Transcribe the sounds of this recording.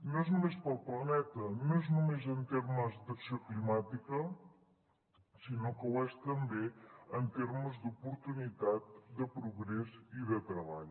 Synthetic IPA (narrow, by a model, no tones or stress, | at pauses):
noeznumespəlˠplənɛt̪ənoeznumezənt̪eɾməzd̪əksioklimat̪ikə | sinokəwɛst̪əmbeənt̪eɾməzd̪upuɾt̪unit̪at̪̚d̪əpɾuɣɾɛziðət̪ɾəβaʎ